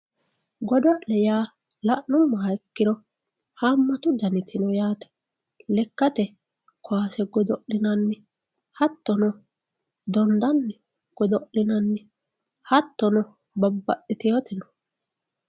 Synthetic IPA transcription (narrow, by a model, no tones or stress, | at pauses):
ɡɔd̪ɔʔɛjaː | lɐʔːʊmːɐɛkːɪɾɔ | haːmːɐt̪ʊd̪ɐnɪt̪ʰɪnɔjaːt̪ɛ̥ | lɛkːɐt̪ɛ | kɔaːsɛɡɔd̪ɔʔɪnɐnːɪ | hɐt̪ːɔnɔ | d̪ɔnd̪ɐnː | ɡ̥ɔd̪ɔʔɪnɐnːɛ | hɐt̪ːɔnɔ | bɐbːɐʔɪt̪ɪjɔt̪ɪnɔ̥